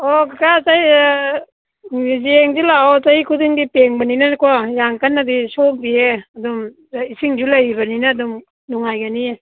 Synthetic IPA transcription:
okkataj | zeŋzilaɔtajikʰudiŋdipeŋbɐninakwajaŋkanːadisok̚dieɐdum | isiŋd͡ʒulajbɐninaːdum | nuŋajɡanie

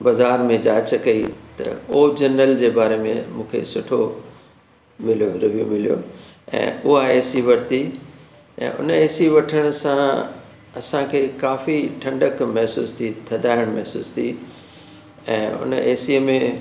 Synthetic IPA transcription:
bɐzaːɾmẽd͡ʑaːt͡ɕkɐit̪ɐ̰oːd͡ʑɐnəld͡ʑeːbaːɾemḛ̃mũːkʰḛsʊʈʰo | mɪlijoɾɪʋijumɪlijo̰ɛ̰̃ːʊɦaeːsiʋɐɾt̪i | ɛ̰̃ːʔʊ̰neːsiʋɐʈʰəɽ̃ʊ̆sã | ɐsãkʰeːkaːfiʈʰɐ̃ɳɖəkmɛɦsṵːst̪ʰit̪ʰɐd̪ʱaːɪɽ̃mɛɦsṵːst̪ʰi | ɛ̰̃ːʊ̰nəeːsiəmẽ

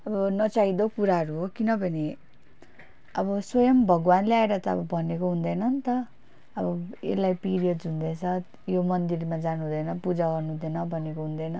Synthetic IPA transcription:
ʌbʌnʌt͡said̪okuɾaɦʌɾuɦokinʌbʱʌni | ʌbʌswʌjʌmbʱʌɡwanleaeɾʌt̪ʌʌ̰bʌbʱʌnekoɦũnd̪ʌjnʌnt̪ʌ | ʌbʌḛlajpiɾijʌd̪ũnd̪ʌt͡sʰʌ | jomʌnd̪irmad͡zanuɦũd̪ʌjnʌpud͡zaɡʌrnuũd̪ʌnʌbʱʌnekoɦũnd̪ʌjnʌ

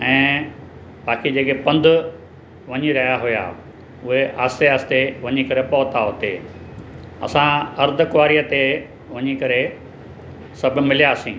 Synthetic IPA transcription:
ɛ̃ː | baːkid͡ʑeːkepɐ̃nd̪ʱʊ | ʋɐɲiɾɐɦjaɦʊja̰ | ʊɦeʔaːsijast̪eʋɐɲikɐɾepɐɦʊt̪aɦot̪e | ɐ̰sãɐɾd̪ʱʊkʊʋaːɾijət̪e | ʋɐɲikɐɾe | sɐbʱʊ̆mɪlijaːsĩː

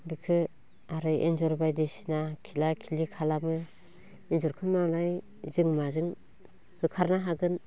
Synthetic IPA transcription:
bikʰɯ | aɾɯjʔḛnzɔɾbajdisinakʰilakʰilikʰalamɯ | enzɔɾkʰɯmalaj | zɯŋmazɯŋ | hɯkʰaɾnaɦaɡɯn

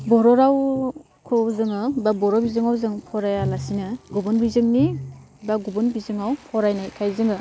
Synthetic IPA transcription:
bɔɾɔɾaw | kʰɯzɯŋɯbabɔɾawbizɯŋawzɯŋpʰɔɾajalasinɯɡubunbizɯŋni | baɡubɯnbizɯŋawpʰɔɾajnakʰajzɯŋɯ

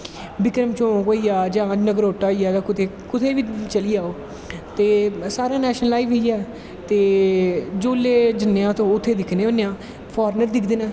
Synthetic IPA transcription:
bɪkɾəmt͡ʃõːkoːiːaːd͡ʒãːnəɡɾoːʈːaːijaːd͡ʒãːkʊt̪ʰeː | kʊt̪ʰeːʋiːt͡ʃəliːaːoː | t̪eːsaːɾãːnɛːʃənəlaːiːʋeijaː | t̪eː | d͡ʒoːlːeːd͡ʒɪnːejãːt̪õːʊt̪ʰːeːd̪ɪkʰneːoːneãː | pʰɔːɾnəɾd̪ɪkʰd̪ɪnɛ̃ː

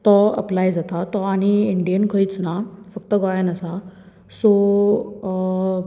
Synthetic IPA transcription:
t̪ɔə̰plajd͡zat̪at̪ɔaɽ̃iiɳɖijənkʰəit͡snafəkt̪əɡɔjanəsa | so

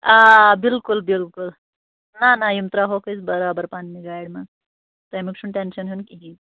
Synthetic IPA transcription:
abilkulbilkul | nanajumt̪ɾaɦokət͡sbəɾabəɾpanmiɡajɽmaɡ | t̪əjmikʂʰuɳʈenʃənɦɨnkiɦi

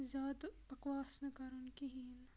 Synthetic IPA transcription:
zaːd̪pɐkʋaːsnɐkɐɾunkiɦiːn

